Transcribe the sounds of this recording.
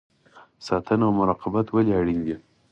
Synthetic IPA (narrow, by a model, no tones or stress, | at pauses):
sɑt̪ənaawmʊɾɑqɪbat̪waliaɽind̪i